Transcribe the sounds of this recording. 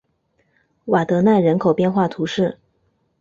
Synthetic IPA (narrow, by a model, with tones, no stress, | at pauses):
wa˨˩t̪ɤ˧˥na˥˩ɪɻə˧˥nkʰo˨˩ʊpjɛ˥˧nxwa˥˩t̪ʰu˧˥ʂɻ̩˥˩